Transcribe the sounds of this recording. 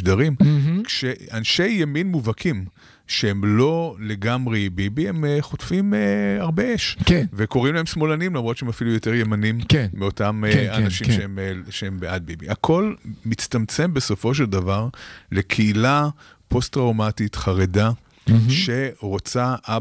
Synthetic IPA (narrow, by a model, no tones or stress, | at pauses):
daʁimkʃeanʃe̞jːaminmuvakʰim | ʃehemlo̞leɡamʁebibihe̞mχotfimaʁbeeʃkeveko̞ʁimlaemsmo̞lanimlamʁott͡ʃeemafilujo̞teʁjemanimkːeotamanaʃimʃeemʃeembeʔad̚bibḭakʰo̞lmit͡stamt͡se̞mbe̞so̞fo̞ʃ̬eld̪avaʁle̞kʰeila | po̞stʁawmatitχaʁeda | ʃe̞ʁo̞t͡saʔa